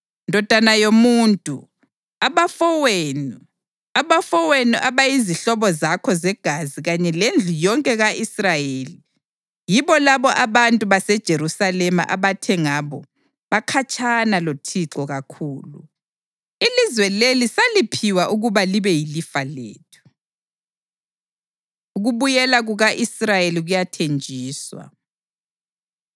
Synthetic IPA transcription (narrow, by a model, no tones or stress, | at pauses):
ndʱɔd̥ʱanajomuːntʼṵ | aβafɔwenu | aβafɔwenuʔaβajiziɬɔβɔzakʰɔzɛɡ̥ʱaziɣaɲɛlend͡ɮʱujɔŋkʼɛɣaʔisrajeːli | jiβɔlaβɔʔaβantʼuβasɛd̥ʒ̥ʱeɾusalɛma̰ʔa̰βatʰɛŋaβɔ | βakʰat͡ʃʰʼanalotʰiǁɔɣakʰuːlṵ | ilizwɛlelisalipʰiwaʔuɣuβaliβɛjilifalḛːtʰu̥ | uɣuβujɛlaɣuɣaʔisrajeliɣujatʰend͡ʒʱiːswa̰